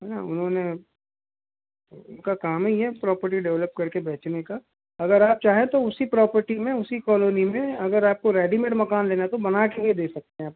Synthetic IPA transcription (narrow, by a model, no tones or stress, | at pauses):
ɦɛna̰ʊnɦõne | ʊnkakaːmɦiɦɛpɾɔːpəɾʈiɖɛʋləp̚kɐɾkebɛːt͡ʃneka | ɐɡəɾaːp̚t͡ʃaːɦẽt̪oʊsipɾɔːpəɾʈimẽʊsikɔːloːnimẽɐɡəɾaːp̚koɾɛːɖimẽːʈmɐkaːnleːnat̪obɐnakeɦed̪eːsɐk̚t̪eɦɛ̃aːp̚